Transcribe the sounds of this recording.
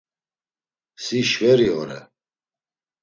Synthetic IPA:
siʃvɛɾiɔɾɛ̰

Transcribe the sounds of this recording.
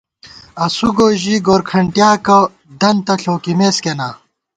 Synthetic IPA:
ɐsuɡoːʑiːɡoːɾkʰɐɳʈjaːkɐ | d̪ɐnt̪ɐɬoːkimeːskenaː

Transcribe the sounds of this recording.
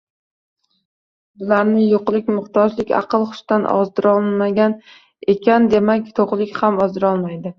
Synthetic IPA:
bʊlaɾnɪjoqlˠɪkʲmʊχt̪ʰɒd͡ʒlɪkʲɑ̰qɨlˠχʊ̥ʃt̪anʔɒ̰zd̪ɪɾɒlˠnmaɡʲan | e̞kʲʰand̪e̞makʲt̪ʰoʁlˠɪkʲhamɒzd̪ɪɾɒlˠmajd̪ɪ

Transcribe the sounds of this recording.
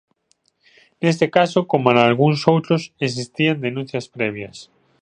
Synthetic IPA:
nest̪ekasokomanaalɣuŋsowt̪ɾoses̬ist̪iand̪enũn̟θjɐspɾɛβ̞jɐs

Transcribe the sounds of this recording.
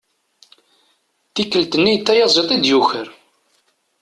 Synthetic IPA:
θikːəlt̪ənːijt̪ːæjɑzˤit̪ˤid̪juçəɾ

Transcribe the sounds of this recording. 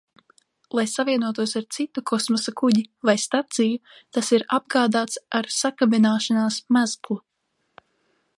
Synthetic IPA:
lˠajsaviɛnuɔt̪uɔsaɾt̪sit̪ukʰɔsmɔsakuɟivajst̪at̪sijut̪asiɾab̚ɡaːd̪aːt̪saɾsakabinaːʃanaːsmazklˠu

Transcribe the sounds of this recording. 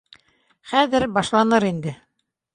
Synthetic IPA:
χæðɘɾbɑʃlˠɑnɤɾind̪ɘ

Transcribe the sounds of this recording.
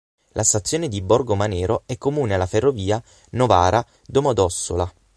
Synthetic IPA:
lʔast̪at̪sːjoːned̪ibɔrɡomanɛːɾoɛkːomuːnealːaferːoviːa | novaːɾʔa | d̪omod̪ɔsːola

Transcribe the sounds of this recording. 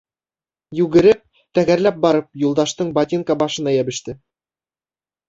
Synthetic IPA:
jʉɡɘ̆ɾɘp̚ | t̪æɡæɾlæp̚bɑɾɤp̚julˠd̪ɑʃt̪ɤɴbɑt̪ʲiŋkɑbɑʃɤ̆nɑjæbɘ̆ʃt̪ɘ

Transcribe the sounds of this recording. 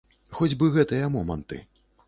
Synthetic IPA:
xɔd͡zʲbɨɣɛt̪ɨjɐmɔmɐ̰nt̪ɨ̰

